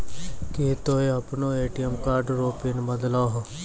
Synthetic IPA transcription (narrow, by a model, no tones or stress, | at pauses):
ket̪oːeapnoːeːʈijəmkaːɾɖɾoːpinməd̪laːɦ